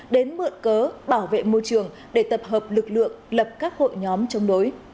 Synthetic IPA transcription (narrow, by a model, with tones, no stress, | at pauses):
ɗe˨˦nmɨ̰˧˨ənkəː˨˦ɓaː˧˩wvḛ˧˨mo˧jt͡ɕɨ˧˩əŋ | ɗe˧˩t̪ə˨˩p̚ɦəː˨˩p̚lɨ˨˩k̚lɨ̰˧˨əŋlə˨˩p̚kaː˦˥k̚ho̰˧˨jɲɔ˨˦mt͡ɕɔ˧wŋ͡mɗo˨˦j